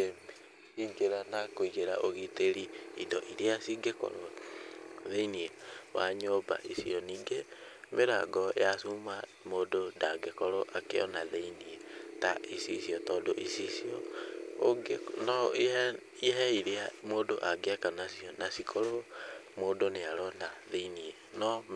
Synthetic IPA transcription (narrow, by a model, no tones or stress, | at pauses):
em | iɡeɾanakoiɣeɾaʔoɣiteɾiidɔʔiɾeasiɡekɔ̰ɾo | ðeiniɛwa̰ɲɔba̰ʔisiɔniːŋɡemʔeɾa̰ɡɔjasuma | moːdodaɡekɔɾoʔakḛɔ̰naðeiniɛtaʔisisiɔtɔːdoʔisisiɔ | ɡenɔiɛ | iɦɛiɾeamoːdoʔaɡeɛkanasiɔnasikʰoɾomoːdoneaɾɔnaðeinie | nɔ